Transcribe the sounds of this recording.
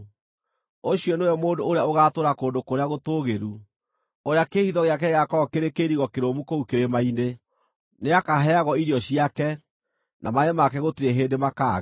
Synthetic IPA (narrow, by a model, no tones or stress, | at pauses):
oɕjiɔnojɔmoːndoːɾeaoɣatoːɾakoːndokoɾeaɣotoɣeɾu | oɾeakeːhiðɔɣeak̬ɛɣakɔkeɾekeɾiɣɔkeɾomukoukeɾemaine | neakaɦɛaɣɔiɾiɔɕiakɛ | nʔamaemakɛɣotiɾeɦeːndemakaɣ